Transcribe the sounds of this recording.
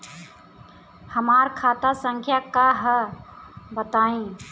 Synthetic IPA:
həmaɾkʰat̪asə̃ŋkʰjakaɦə | bət̪aːẽ

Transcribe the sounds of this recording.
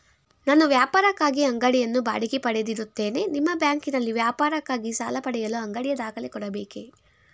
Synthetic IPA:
naːnːuʋjaːpaːɾɐkːaːɡiɐŋɡɐɽɛjɐnːuba̰ːɽikipɐɽed̪iɾut̪ːe̞ːne̞nimːɐbjaːŋkinɐlːiʋjaːpaːɾɐkːaːɡisaːlɐpɐɽɛjɐluɐŋɡɐɽijɐd̪aːkɐlekɔɽɐbeːke

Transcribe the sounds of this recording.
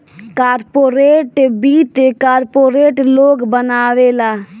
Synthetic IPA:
kaːɾpoːɾeːʈbiːt̪kaːɾpoːɾeːʈloːɡbənaːwelaː

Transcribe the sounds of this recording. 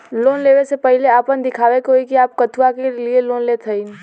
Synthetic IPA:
loːnleːʋesepəɦɪleaːpənd̪ɪkʰaːʋekoːikiaːp̚kət̪ʰwakelieloːnleːt̪ʰəin

